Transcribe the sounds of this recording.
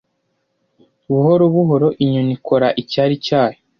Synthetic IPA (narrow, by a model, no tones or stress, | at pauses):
βuɦoɾoβuɦo̞ɾo̞ʔiɲonikʰoɾaʔicaːɾicaːjo